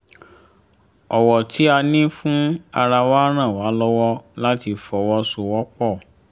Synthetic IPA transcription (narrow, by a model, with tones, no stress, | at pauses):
ɔ˨wɔ˨tʰi˨˦a˧nĩ˦fũ˦a˧ɾa˧waː˦ɾ̃ã˦˨wa˨˦lɔ˦wɔ˦la˦ti˧fɔ˨wɔ˧˦so˧wɔ˦k͡pɔ˦˨